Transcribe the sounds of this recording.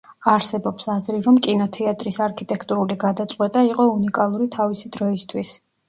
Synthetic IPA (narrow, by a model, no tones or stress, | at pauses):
aɾsɛbɔpsazɾiɾɔmkʼinɔt̪ʰɛat̪ʼɾisaɾkʰit̪ʼɛkʰt̪ʼuɾuliɡad̪at̪sʼqʼwɛt̪ʼaiqʼɔunikʼalˠuɾit̪ʰavisid̪ɾɔist̪ʰwis